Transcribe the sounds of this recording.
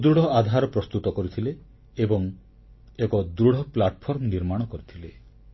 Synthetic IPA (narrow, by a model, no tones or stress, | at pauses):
d̪ɾuɽ̤ʱɔad̪ʱaɾɔpɾɔst̪ut̪ɔkɔɾit̪ʰileː | bɔŋ | ekɔd̪ɾuɽ̤ʱɔplaʈɔpʰɔɾmniɾmaɽ̃ɔkɔɾit̪ʰile